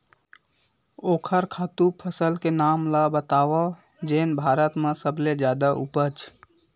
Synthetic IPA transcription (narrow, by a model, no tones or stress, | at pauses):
oːkʰəɾkʰaːt̪upʰəsəlkenaːmlabət̪aːʋa | d͡ʒeːnbʱaːɾət̪mãsəbʱled͡ʒjaːd̪aʔṵpət͡ʃ